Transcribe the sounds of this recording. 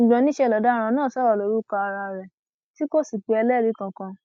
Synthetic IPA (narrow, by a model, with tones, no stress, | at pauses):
ɡ͡bã˧˦nĩ˦ʃɛ˦˨lɔ˨˦da˦˧ɾ̃ã˧nãː˦˨sɔ˦ɾɔ˨lo˨˦ɾu˦ka˧a˧ɾa˧ɾɛ˨ | ti˦ko˦si˨k͡pe˨˧ɛ˧lɛ˦ɾi˨˦kã˧˨kã˧